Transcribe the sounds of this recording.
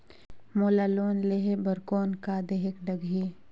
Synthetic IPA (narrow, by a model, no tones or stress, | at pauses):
moːlaloːnleɦebəɾkoːnkad̪eːɦɪkɖəɡʱiː